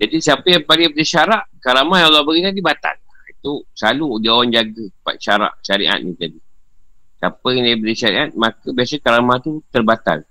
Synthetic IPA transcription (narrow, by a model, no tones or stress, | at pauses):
d͡ʒadisiapəjaŋpalibədiʃaɾaʔkaɾamahjalabaɡit̪adibat̪a̰lait̪usalud͡ʒawand͡ʒaɡəpa̰ʃaɾa̰ʔʃaɾḭʔa̰t̪̚nit̪adi | sapəjaŋdabədiʃaɾḭʔat̪̚makəbiasəkaɾamaht̪ut̪ərbat̪a̰l